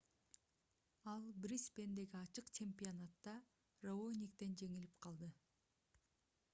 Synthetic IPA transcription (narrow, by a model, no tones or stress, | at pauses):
ɑlˠbɾʲispʲe̞nd̪e̞ɡiɑt͡ʃɯqt͡ʃʰemʲpʲionat̪ːɑ | roonʲikt̪e̞nd͡ʒe̞ŋilipqʰɑlˠd̪ɯ